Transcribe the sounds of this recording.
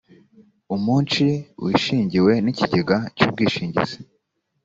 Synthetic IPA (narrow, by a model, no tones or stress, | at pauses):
umuːnt͡ʃiwiːʃiːɲɟiwe̞niciɟeɡacuːb̚ɡiːʃiːɲɟḭz̥i